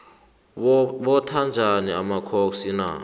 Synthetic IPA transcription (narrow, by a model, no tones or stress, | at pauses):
ɓɔtʰand͡ʒʱaniamakʰok̬sina̰